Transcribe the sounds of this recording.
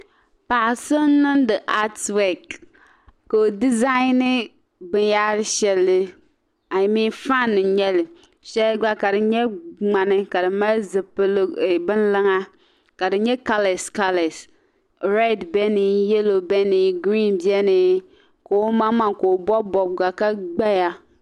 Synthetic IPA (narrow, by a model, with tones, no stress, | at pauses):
pa˨ʔsɨ˦nɨ˦ndɨ˨ʔa˦twɛ˨k | ko˨di˦za˦nɨ˦ | bɨ˨nja˦ɾɨ˦ʃɛ˨lːɪ˦ | a˨mi˦nfa˦˨nːɨ˨ɲɛ˦lɪ˨ | ʃɛ˦lɡ͡ba˦ka˨dɨ˨ɲɛ˦ŋ͡ma˨nɨ˦ka˨dɨ˨ma˦zɨ˨pɨ˦lbɨ˦nlɨ˦ŋa˦ | ka˨dɨ˨˦ɲɛ˦ka˦lɛ˨ska˦lɛ˨s | ɾa˦˨dbɛ˦ni˨jɛ˦lo˨bɛ˦ni˨ɡɾi˦nbi˦ɛ˦ni˨ | ko˨˦ma˦ma˦ŋko˨bɔ˦bɔ˨b̚ɡa˨ka˦ɡ͡ba˦ja˦